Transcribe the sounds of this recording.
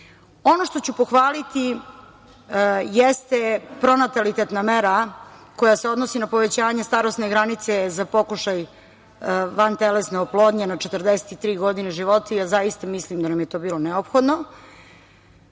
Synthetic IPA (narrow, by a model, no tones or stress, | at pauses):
o̞noʃt̪o̞t͡ɕupo̞xʋaːlit̪i | jest̪epɾo̞nat̪alit̪et̪nameɾako̞jaseo̞d̪nosinapo̞ʋet͡ɕaːɲest̪aɾost̪neɡɾanit̪sezapo̞kuʃaj | ʋant̪elesneoplˠo̞ːd̪ɲenat͡ʃet̪rd̪ese̥t̪it̪ːɾiːɡo̞d̪ineʒiʋo̞t̪aijaːzajist̪amislimd̪anamjet̪o̞ːbiːlˠo̞neopxod̪no